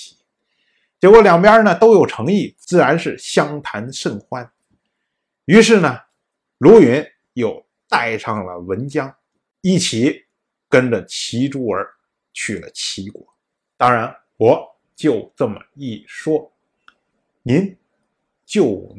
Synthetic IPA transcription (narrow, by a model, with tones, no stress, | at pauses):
i˧˥ | ʈ͡ʂɛ˧˥kwɔ˥˩ljɑ˨˩ŋpja˥nə˨t̪o˥ʊjo˨˩ʊʈ͡ʂʰɤ˧˥ŋi˥˩t͡sɹ̩˥˩ɻa˧˥nʂɻ̩˥˩ɕjɑ˥ŋt̪ʰa˧˥nʂə˥˩nxʰwa˥n | y˧˥ʂɻ̩˥˩nə˩ | lu˧˥ɥɛ˧˥n | jo˨˩ʊ | t̪a˥˧˩ɪʈ͡ʂʰɑ˥˩ŋlə̰˩wə˧˥nt͡ɕjɑ˥ŋ | i˥˩t͡ɕʰi˨˥˦ | kə˥nʈ͡ʂə˨t͡ɕʰi˧˥ʈ͡ʂu˥ə˞˧˥ | t͡ɕʰy˨˩lə̰˦t͡ɕʰi˧˥kwɔ̰˨˩˦ | t̪ɑ˥ŋɻa˧˥n | wɔ˨˩˦ | t͡ɕjo˥˧ʊt͡sə˥˩mə̰˨˩i˥˩ʂwɔ˥ | ni˧˥n | t͡ɕjo˥˩ʊ